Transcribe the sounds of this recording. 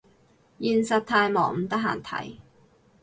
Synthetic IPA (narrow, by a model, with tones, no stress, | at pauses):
jiː˨˧nsɐ˨t̚t̪ʰaː˧jmɔː˨˩ŋm̩˨˩t̪ɐ˥k̚ɦa̰ː˨˩nt̪ʰɐ̰˨˥j